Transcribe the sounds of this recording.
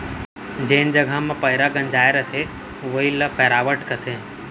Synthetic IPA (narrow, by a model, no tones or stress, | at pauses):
d͡ʒeːnd͡ʒɐɡʱamãpɐɪɾaɡɐ̃nd͡ʒaːeɾɐt̪ʰe | ʋoiləpʰɛːɾaːʋəʈkɐt̪ʰeː